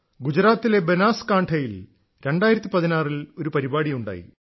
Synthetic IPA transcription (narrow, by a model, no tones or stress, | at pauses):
ɡud͡ʑɾaːt̪ːile̞benaːskaːɳʈʰɐjil | ɾe̞ɳɖaːjiɾɐt̪ːipɐðinaːrilo̞ɾupɐɾibaːɽijuɳɖa̰ːjḭ